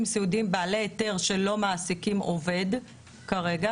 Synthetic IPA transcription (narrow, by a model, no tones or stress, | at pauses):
msiudimbaːleːte̞ʁʃe̞lo̞maːsikimo̞ve̞d | kaʁe̞ɡa